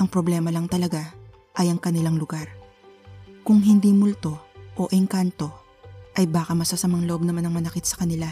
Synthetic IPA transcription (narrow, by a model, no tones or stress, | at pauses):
ʔɐŋpɾoblɛmɐlɐŋt̪ɐlɐɡa | ʔɐjɐŋkɐnɪlaŋlʊɡaɾ | kʊŋɦɪnd̪imʊlt̪o̞ʔoʔɪŋkant̪o̞ | ʔɐjbaːkɐmɐsasɐmɐŋloʔo̞b̚nɐmanɐŋmɐnɐkɪt̪̚sɐkɐnɪla